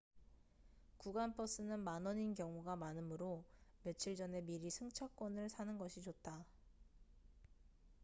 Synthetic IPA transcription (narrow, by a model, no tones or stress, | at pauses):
kuɡanpʰʌs͈ɯnɯnmanʌɲinkjʌŋuɡamanɯmɯɾome̞t͡ɕʰiɭd͡ʑʌne̞miɾisʰɯŋt͡ɕʰak͈wʌnɯɭsʰanɯnɡʌɕʰit͡ɕot̚t͈a